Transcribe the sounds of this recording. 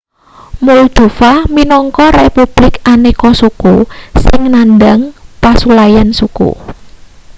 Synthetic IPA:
muld̪̥ṳfahminɔŋkɔrepub̥lɪkanekɔsukusɪŋnandaŋpasulajansukṵ

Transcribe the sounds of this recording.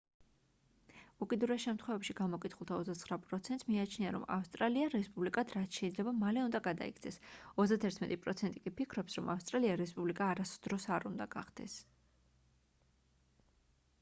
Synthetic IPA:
ukʼid̪uɾɛsʃɛmt̪ʰχwɛvɛpʃiɡamɔkʼit̪ʰχulˠt̪ʰaɔzd̪at̪sʰχɾapʼɾɔt̪sʰɛnt̪smiat͡ʃʰniaɾɔ̰ma̰fst̪ʼɾaliaɾɛspʼublikʼad̪ɾat̪ʃɛid̪zlɛbamalɛund̪aɡad̪a̰ḭkʰt̪sʰɛsɔzd̪at̪ʰɛɾt̪ʰmɛt̪ʼipʼɾɔt̪sʰɛnt̪ʼikʼipʰikʰɾɔpsɾɔmafst̪ʼɾaliaɾɛspʼublikʼaːɾasd̪ɾɔsaɾund̪aɡa̰χd̪̥ɛ̰s

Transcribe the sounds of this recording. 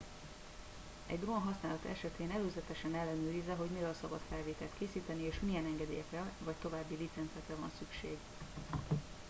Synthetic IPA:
ɛ̰ɟd̪romɒɦɒsnaːlɒt̪ɛ̰ʃɛt̪eːnɛløːzɛt̪ɛʃɛnɛlːɛnyːɾizɛɦo̞ɟmiɾɛlsɒbɒt̪fɛlveːt̪ɛlt̪keːsiːt̪ɛnieːʃmijɛnɛŋɡɛd̪ḛːjɛkrɛvɒct̪o̞vaːbːilit̪sɛnt̪sɛkrɛvɒ̰nsykʃḛːɡ

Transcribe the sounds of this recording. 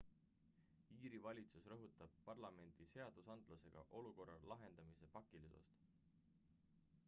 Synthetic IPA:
iːɾivɑlʲit̪susrɤɦut̪ːˑɑb̥̚pɑrlɑme̞nd̪̥ise̞ɑd̪̥usɑnd̪̥luse̞ɡ̥ɑ̰ʔo̞luko̞rːɑlɑɦe̞nd̪̥ɑmise̞pɑkːˑiliso̰st̪

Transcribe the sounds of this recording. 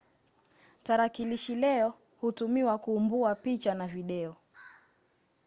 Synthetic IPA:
taɾakiliʃilɛɔ | hutumiwakuːmbuapit͡ʃanaviɗɛɔ

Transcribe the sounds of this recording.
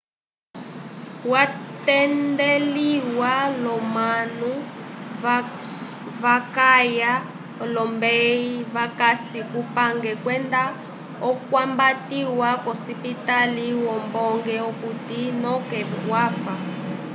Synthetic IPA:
watɛndeliwalɔmanu | βakaja | lɔmbɛiβakasikupaŋɡɛkwɛnda | ɔkwambatiwakɔsipitaliwɔmbɔŋɡɛokutinɔkɛwaːfa

